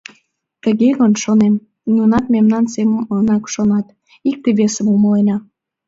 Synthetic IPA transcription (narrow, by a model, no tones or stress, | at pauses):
t̪əɣeɣonʃonem | nunɑt̪memnɑnseməmonɑkʃonɑt̪ | ik̚t̪eβesəmuməlenɑ